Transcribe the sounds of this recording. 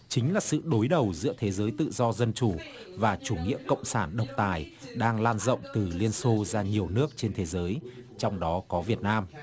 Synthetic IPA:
t͡ɕï˨˦ŋ̟laː˨˩sɨ̰˧˨ɗo˨˦jɗə˨˩wzɨ̰˧˥ət̪ʰe˨˦zəː˨˦jt̪ɨ̰˧˨zɔ˧zə˧nt͡ɕu˧˩ | vaː˨˩t͡ɕu˧˩ŋḭ˧˥əkə̰˧˨wŋ͡msaː˧˩nɗə˨˩wk͡p̚t̪aː˨˩jɗaː˧ŋlaː˧nzə̰˧˨wŋ͡mt̪ɨ˨˩li˧ənso˧zaː˧ɲi˨˩əwnɨ˦˥ək̚t͡ɕe˧nt̪ʰe˨˦zəː˨˦jt͡ɕɔ˧wŋ͡mɗɔ˨˦kɔ˨˦vi˨˩ət̚naː˧m

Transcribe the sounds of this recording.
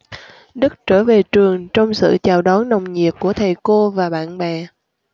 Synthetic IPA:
ɗɨ˦˥k̚t͡ɕəː˧˩ve˨˩t͡ɕɨ˨˩əŋt͡ɕɔ˧wŋ͡msɨ̰˧˨t͡ɕaː˨˩wɗɔ˨˦nnə˨˩wŋ͡mɲi˨˩ət̚ku˧˩ət̪ʰə˨˩jko˧vaː˨˩ɓa̰ː˧˨nɓɛː˨˩

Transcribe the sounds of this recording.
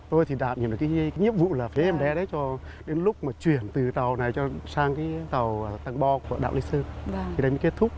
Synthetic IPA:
t̪o˧jt̪ʰi˨˩ɗa̰ː˧˩˨m̚ɲ̰˨˩˨kːaː˨˦˨kaː˨˦jɲi˦˥əp̚vṵ˧˨laː˨˩fe˨˦ʔɛ˧mɓɛ˨˧˦ɗə˨˦jt͡ɕɔ˧ | ɗe˨˦nlʊ˦˥k͡p̚maː˨˩t͡ɕwi˨˩ənt̪ɨ˨˩t̪ə˨˩wna˨˩jt͡ɕɔ˧saː˧ŋkaː˨˦jt̪ə˨˩wt̪a˧ŋɓɔ˧ku˧˩əɗa̰ː˧˨wli˨˦sɨ˧a˧˨t̪ʰi˨˩ɗə˧mə˨˦ke˦˥t̚t̪ʰʊ˦˥k͡p̚

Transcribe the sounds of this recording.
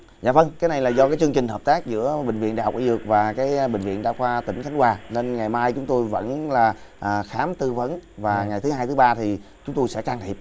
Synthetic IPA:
za̰ː˧˨və˧nkaː˨˦jna˨˩jlaː˨˩zɔ˧kaː˨˦jt͡ɕɨ˧əŋt͡ɕï˨˩ŋ̟ɦəː˨˩p̚t̪aː˦˥k̚zɨ̰˧˥əɓï˨˩ŋ̟vḭ˧˨ənɗa̰ː˧˨˩ʔḭ˧˦zɨ˨˩ək̚vaː˨˩kaː˨˦jɓï˨˩ŋ̟vḭ˧˨ənɗaː˧wxwaː˧t̪ï˧˩ŋ̟xa˨˦ŋ̟kwaː˨˩ne˧nŋa˨˩jmaː˧jt͡ɕʊ˨˦ŋ͡mt̪o˧jvə̰˧˥nlaː˨˩ʔəː˨˩xaː˨˦mt̪ɨ˧və˨˦nvaː˨˩ŋa˨˩jt̪ʰɨ˨˦ɦaː˧jt̪ʰɨ˨˦ɓaː˧t̪ʰi˨˩t͡ɕʊ˨˦ŋ͡mt̪o˧jsɛ̰˧˥kaː˧ŋt̪ʰi˨˩p̚

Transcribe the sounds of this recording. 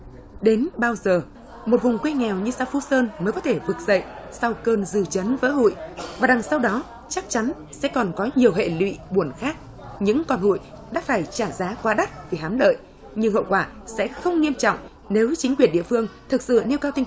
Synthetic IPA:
ɗe˨˦nɓaː˧wzəː˨˩ | mo˨˩t̚vʊ˨˩ŋ͡mkwe˧ŋɛ˨˩wɲɨ˧saː˧˩wfu˧˥səː˧nməː˨˦jkɔ˨˦t̪ʰe˧˩vɨ˨˩k̚z̥ə̰˧˨jsa˧wkəː˧nzɨ̰˧˩t͡ɕə˨˦nvə̰ː˧˥ɦṵ˧˨jvaː˨˩ɗa˨˩ŋsa˧wɗɔ˨˦ | t͡ɕa˦˥k̚t͡ɕa˨˦n | sɛ̰˧˥kɔ˨˩nkɔ˨˦ɲi˨˩əwɦḛ˧˨lwḭ˧˨ɓu˧˩ənxaː˦˥k̚ | ɲɨ̰˧˥ŋkɔ˧nho̰˧˨j | ɗa̰ː˧˥faː˧˩jt͡ɕaː˧˩zaː˨˦kwaː˨˧˦ɗə˦˥t̚vi˨˩ɦaː˨˦mɗə̰ː˧˨j | ɲɨ˧ŋɦə̰˧˨wkwaː˧˩sɛ̰˧˥xə˧wŋ͡mŋi˧əmt͡ɕɔ̰˧˨wŋ͡m | ne˨˦wt͡ɕï˨˦ŋ̟kwi˧˩ənɗḭ˧˨əfɨ˧əŋt̪ʰɨ˨˩k̚sɨ̰˧˨ne˧wkaː˧wt̪ï˧ŋ

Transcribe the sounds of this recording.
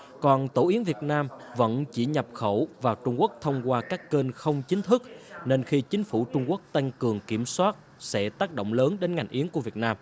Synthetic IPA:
kɔ˨˩nt̪o˧˩ʔi˨˦əŋvi˨˩ət̚naː˧mvə̰˧˥nt͡ɕi˧˩ɲə˨˩p̚xə˧˩wvaː˨˩wt͡ɕʊ˧ŋ͡mku˦˥ək̚t̪ʰə˧wŋ͡mkwaː˧kaː˦˥kːe˧nxə˧wŋ͡mt͡ɕï˨˦ŋ̟t̪ʰɨ˦˥k̚ne˧nxi˧t͡ɕï˨˦ŋ̟fu˧˩t͡ɕʊ˧ŋ͡mku˦˥ək̚t̪a˧ŋ̟kɨ˨˩əŋki˧˩əmswaː˦˥t̚ | sɛ̰˧˥t̪aː˦˥k̚ɗo̰˧˨wŋ͡mləː˨˦nɗe˨˦nŋa˨˩jŋ̟ʔi˨˦əŋku˧˩əvət̚naː˧m

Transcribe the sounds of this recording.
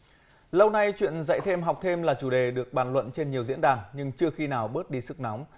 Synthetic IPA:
lə˧wna˧jt͡ɕwḭ˧˨ənzə̰˧˨jt̪ʰe˧mɦa˨˩wk͡p̚t̪ʰe˧mlaː˨˩t͡ɕu˧˩ɗe˨˩ɗɨ˨˩ək̚ɓaː˧˩nlwə̰˧˨nt͡ɕe˧nɲi˨˩əwzḭ˧˥nɗaː˨˩nɲɨ˧ŋt͡ɕɨ˧əxi˧naː˨˩wɓəː˦˥t̚ɗi˧sɨ˦˥k̚na˨˦wŋ͡m

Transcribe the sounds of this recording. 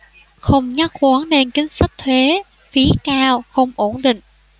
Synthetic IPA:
xə˧wŋ͡mɲa˦˥k̚kwaː˨˦nne˧nkï˨˦ŋ̟sa˦˥k̚t̪ʰwe˨˦ | fi˨˦kaː˧wxə˧wŋ͡mʔo˧˩nɗḭ̈˧˨ŋ̟

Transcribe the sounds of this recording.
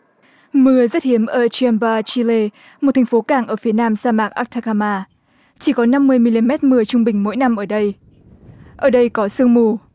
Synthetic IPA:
mɨ˨˧˩əzə˦˥t̚hi˨˦əmʔəː˧˩t͡ɕi˧ə˧mbaː˧t͡ɕi˧le˧ | mo˨˩t̚t̪ʰŋfo˨˦kaː˧˩ŋʔəː˧˩fi˨˦ənaː˧msaː˧maː˨˩k̚ʔa̰ː˦˥k̚t̪ʰa˧kaː˧maː˧ | t͡ɕi˧˩kɔ˨˦na˧mːɨ˧əjmi˧li˧mɛ˦˥t̚mɨ˨˧˩ət͡ɕʊ˧ŋ͡mɓï˨˩ŋ̟mo̰˧˥˦jna˧mʔəː˧˩ɗə˧j | ʔəː˧˩ɗə˧jkɔ˨˦sɨ˧əŋmu˧˩

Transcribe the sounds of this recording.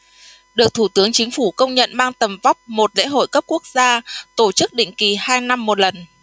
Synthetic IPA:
ɗɨ˨˩ək̚t̪ʰu˧˩t̪ɨ˨˦əŋt͡ɕï˨˦ŋ̟fu˧˩kə˧wŋ͡mɲə̰˧˨nmaː˧ŋt̪ə˨˩mva˦˥k͡p̚mo˨˩t̚lḛ˧˥ɦo̰˧˨jkə˦˥p̚ku˦˥ək̚zaː˧t̪o˧˩t͡ɕɨ˦˥k̚ɗḭ˧˨ŋ̟ki˨˩haː˧jna˧mːo˨˩t̚lə˨˩n

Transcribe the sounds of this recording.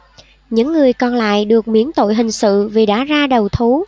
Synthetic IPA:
ɲɨ̰˧˥ŋːɨ˨˩əjkɔ˨˩nla̰ː˧˨jɗɨ˨˩ək̚mḭ˧˥ənt̪o̰˧˨jɦï˨˩ŋ̟sɨ̰˧˨vi˨˩ɗa̰ː˧˥zaː˧ɗə˨˩wt̪ʰu˨˦

